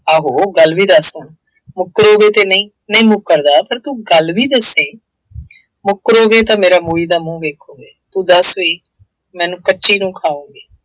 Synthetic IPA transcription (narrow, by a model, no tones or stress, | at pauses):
aːɦoːɡəlʋiːd̪əsoːn | mʊkːɾoːɡeːt̪eːnəĩː | nəĩːmʊkːəɾd̪aːpəɾt̪uːɡəlʋiːd̪əseː | mʊkːəɾoːɡeːt̪ãːmeːɾaːmoːiːd̪aːmũːʋeːkʰoːɡeːt̪uːd̪əsoiː | mɛ̃ːnũːkəːʃiːnũːkʰaːũːɡiː